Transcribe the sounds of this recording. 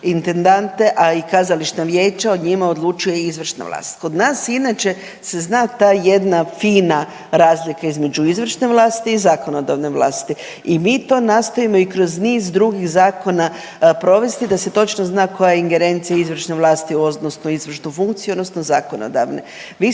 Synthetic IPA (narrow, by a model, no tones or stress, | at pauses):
int̪e̞nd̪ant̪e̞ʔaikaːzaliʃnaʋje̞ːt͡ʃaod̪ɲimaod̪lˠut͡ʃuje̞izʋr̩ʃna̰ʋlˠa̰ːst̪ko̞d̪naːsinat͡ʃe̞ | se̞znaːt̪aːje̞d̪nafiːna | ɾaːzlikaizme̞d͡ʒuizʋr̩ʃne̞ʋlˠaːst̪iizaːko̞no̞d̪aʋne̞ʋlˠa̰ːst̪i | imiːt̪o̞ːnaːst̪o̞imoikɾo̞zniːzd̪ɾuɡiɣzaːko̞na | pɾo̞ʋe̞st̪id̪ase̞t̪o̞t͡ʃnoznaːko̞jajeiŋɡe̞ɾe̞nt̪sijaizʋr̩ʃneʋlˠaːst̪io̞d̪nosnoizʋr̩ʃnufuŋkt̪sijuod̪nosnozaːkono̰d̪a̰ʋne̞̰ | ʋi